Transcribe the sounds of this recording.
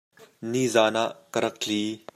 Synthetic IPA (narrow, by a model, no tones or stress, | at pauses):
niːzaːnaʔkəɾɐk̚ɬiː